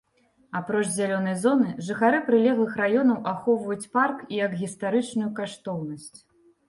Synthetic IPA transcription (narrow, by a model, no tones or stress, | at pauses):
apɾɔt͡ʂzʲalʲɔnɐjzɔnɨʐɨxaɾɨpɾɨlʲɛɣlˠɨxɾajɔnɐwʔaxɔwvɐjut͡sʲparkijɐkɣʲist̪aɾɨt͡ʂnujukaʂt̪ɔwnɐsʲt͡sʲ